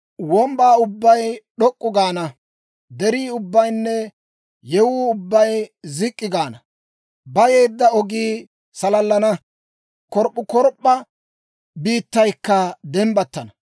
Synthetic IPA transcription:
wɔmbaːʊbːɐjɗɔkʼːʊɡaːnɐ | d̪ɛɾiːʊbːɐjnːɛ | jɛwuːʊbːɐjzɪkʼːɪɡaːnɐ | bɐje̞ːd̪ːɐɔɡiː | sɐlɐlːɐnɐ | kɔɾpʼːʊkɔɾpʼːɐ | biːt̪ːɐjkːɐd̪ɛmbɐt̪ːɐnɐ

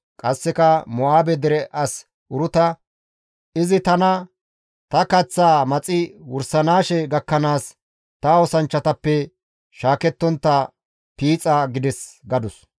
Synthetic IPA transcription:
kʼɐsːɛkɐmɔaːbɛd̪ɛɾɛʔɐs | ʔʊɾʊt̪ɐ | ɪzɪt̪ɐnɐ | t̪ɐkɐt͡sːaːmɐt͡sʼɪwʊɾsɐnaːʃɛɡɐkːɐnaːs | t̪ɐɔsɐnt͡ʃːɐt̪ɐpːɛ | ʃaːkɛt̪ːɔnt̪ːɐ | piːt͡sʼaɡɪd̪ɛsɡɐd̪ʊs

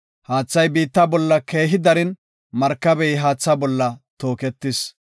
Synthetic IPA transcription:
haːt͡sːɐjbiːt̪ːɐbɔlːɐke̞ːɦɪd̪ɐɾɪn | mɐɾkːɐbɛjɪɦaːt͡sːɐbɔlːɐt̪o̞ːkɛt̪ːɪs

